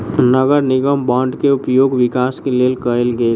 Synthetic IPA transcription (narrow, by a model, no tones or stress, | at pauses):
nəɡəɾnɪɡəmbãɳɖkeʊpjoːɡʋɪkaːskeleːlkəelɡə